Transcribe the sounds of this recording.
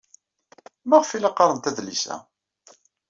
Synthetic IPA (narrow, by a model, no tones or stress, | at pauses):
mæʁfilɑqːɾˤənt̪æðlisæ̰